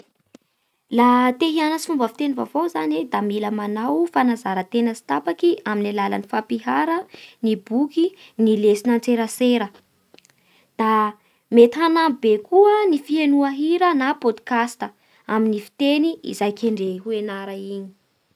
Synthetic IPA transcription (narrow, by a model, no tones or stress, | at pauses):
lat̪eɦianəsi̥fumbəfi̥t̪enivavozaned̪amiləmanawfanazaɾət̪enəsi̥t̪apakiʔaminalalə̰nifapiɦaɾənibukinilesinant͡seɾəseɾə | d̪̥a | met̪ɦanambekuənifienuaɦiɾənapod̪ikast̪ə | aminifi̥t̪eniḭzajkʲeɳɖ͡ʐeɦuenaɾaiɲi̥